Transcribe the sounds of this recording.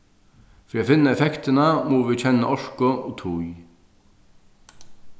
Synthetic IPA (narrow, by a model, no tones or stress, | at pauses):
fɾiːatfɪnːaɛfɛkt̪ɪnamuːʋɪt͡ɕʰɛnːaʔɔʂkʊɔt̪ʰuj